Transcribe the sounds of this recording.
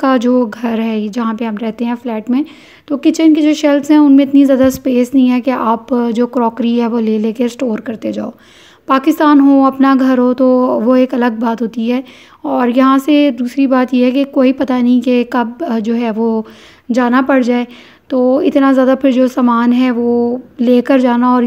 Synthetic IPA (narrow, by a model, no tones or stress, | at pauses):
kad͡ʒoːɡʱɐɾɦɛd͡ʒɐɦãpeɦɐmɾɛɦt̪eɦɛ̃flɛːʈmẽ | t̪okɪt͡ʃənkid͡ʒoːʃɛlʈsɦɛ̃ʊnmẽɪt̪nizjaːd̪aspeːsnɐɦĩɦɛkeʔaːpd͡ʒoːkɾɔːkɾiɦɛʋoleːleːkesʈoːɾkɐɾt̪ed͡ʒaːoː | paːkɪst̪aːnɦoɐpnaɡʱɐɾɦot̪oʋoeːkɐləɡ̚baːt̪ɦoːt̪iɦɛː | ɔːɾjɐɦãsed̪uːsɾibaːt̪jeɦɛkekoːipɐt̪anɐɦĩkekɐb̚d͡ʒoːɦɛːʋo | d͡ʒaːnapɐɽ̤d͡ʒaːe | t̪oːɪ̰t̪nazjaːd̪apʰɪɾd͡ʒoːsaːmaːnɦɛʋoleːkəɾd͡ʒaːnaɔːɾ